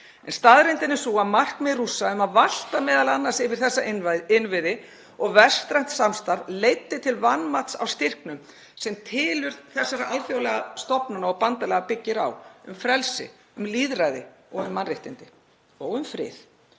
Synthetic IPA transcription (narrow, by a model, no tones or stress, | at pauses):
ɛnst̪aðɾejnt̪ɪnːɪsuːamar̥knmɛðrusːaʏmaðval̥t̪amɛːðalanːasɪvɪɾ̥θɛsːaɪnvɪðɪ | ɔɣvɛst̪ɾan̥t̪samst̪aɾvlejt̪ːɪt̪ʰɪlvanmat̪sa̰wst̪ɪr̥knʏm | sɛmt̪ʰɪːlʏɾ̥θɛsːaɾaʔalfjawlɛɣast̪ɔpnanaɔɣpant̪alɛɣapɪcːɪɾa̰wʏ̰mfɾɛlsɪ̰ | ʏmliːðɾajðɪ̰ | ɔɣʏmːanreht̪ɪnt̪ɪ | ɔɣʏmfɾɪ̰ːð